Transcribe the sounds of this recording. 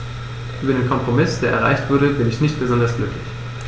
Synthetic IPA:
ʔyːbɐdeːnkʰɔmpʁ̥omɪsd̥eːɐɛɐʁ̞a̰ɪçtv̥ʊɐɾəbɪnɪçnɪçt̚b̥əzɔndɐsɡ̥lʏklɪç

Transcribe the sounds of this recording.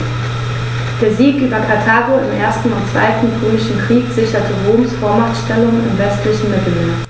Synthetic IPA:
d̥eːɐziːkʔyːbɐkʰatʰaːʁoɪmʔeːɐstn̩ʊntt͡sv̥a̰ɪtn̩ʁøːmɪʃn̩kʁ̥iːkz̥ɪçɐtʰəʁoːmsfoːɐmatʃtɛlʊŋɪ̰mvɛstlɪçn̩mɪbɪnə

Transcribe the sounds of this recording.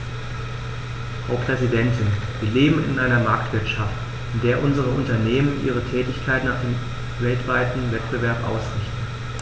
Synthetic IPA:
haʊpʁ̥ɛzidɛntɪnviːɐleːbm̩ɪ̰nʔaɪnɐmaɐktv̥ɪɐtʃaft | ʔɪndeːɐʔʊnzəʁ̞əʔʊntɐneːmənʔiːʁ̞ətʰɛːtɪçkʰaɪtnaχd̥eːm | vɛltv̥aɪtn̩vɛt̚b̥əvɛɐpʔa̰ʊsʁɪçtn̩

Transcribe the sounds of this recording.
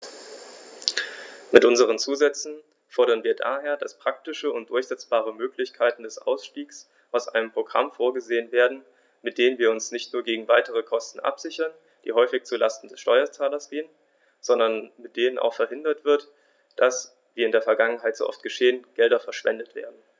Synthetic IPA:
mɪtʔʊnzəʁ̞ənt͡suːzɛt͡sn̩ | fɔɐɾɐnviːɐda̰ːɦeːɐdaspʁ̥aktɪʃəʊntd̥ʊɐçz̥ɛt͡sb̥aːʁ̞əmøːklɪçkʰaɪtn̩dɛsʔa̰ʊsʃtiːks | ʔaʊsʔa̰ɪnəmpʁ̥oɡʁa̰mfoːɐɡəzeːənveːɐdn̩ | mɪt̚d̥eːnənviːɐʊnsnɪçtnuːɐɡeːɡŋ̩vaɪtəʁəkʰɔstn̩ʔa̰pz̥ɪçɐn | d̥ḭːɦɔʏfɪçt͡sula̰stn̩dɛsʃtɔʏɐt͡saːlɐsɡ̥eːən | z̥ɔndɐnmɪt̚d̥eːnənʔa̰ʊxfɛɐhɪndɐtv̥ɪɐt | d̥as | viːɪndeːɐfɛɐɡaŋənɦaɪto̰ːʔɔ̰ftɡ̥əʃeːənɡ̥ɛldɐfɛɐʃv̥ɛ̰ndətv̥ḛːɐdn̩

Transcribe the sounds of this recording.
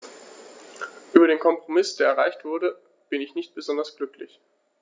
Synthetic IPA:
ʔyːbɐɾeːnkʰɔmpʁ̥omɪsd̥eːɐɛɐʁaɪçtv̥ʊɐɾə | b̥ɪnɪçnɪçt̚b̥əzɔndɐsɡ̥lʏklɪç

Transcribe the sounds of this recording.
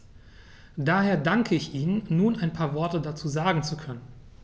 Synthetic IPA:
daːheːɐdaŋkʰəɪçʔiːnənnːuːnaɪnpʰaːɐvɔɐtədat͡suːzaːɡŋ̩t͡sukʰœnən

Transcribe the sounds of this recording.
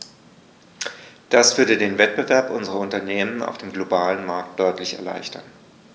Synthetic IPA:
d̥asv̥ʏɐdədeːnvɛt̚b̥əvɛɐpʔʊnzəʁɐʊntɐneːməna̰ʊfd̥eːmɡlobaːlənmaɐk̚t̚d̥ɔʏtlɪçɛ̰ɐla̰ɪçtʰɐn

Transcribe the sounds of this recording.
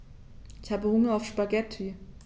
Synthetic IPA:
ɪçhaːbəhʊŋɐaʊfʃpaɡɛtʰːyːɐ

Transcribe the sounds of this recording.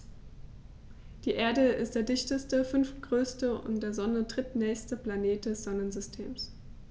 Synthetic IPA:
d̥iːʔeːɐdəɪst̚d̥eːɐdɪçtəstəfʏnftɡ̥ʁøːstəʊ̰ntd̥eːɐzɔnədʁɪtnɛːçstəplaneːt̚d̥ɛsz̥ɔnənzʏstʰeːms

